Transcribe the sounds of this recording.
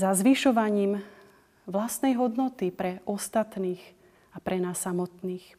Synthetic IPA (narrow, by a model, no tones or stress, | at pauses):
zazʋiʃɔʋaɲiːm | ʋlast̪nɛjɦɔd̪nɔt̪ipɾɛʔɔst̪at̪niːx | apɾʔɛnaːsːamɔt̪niːx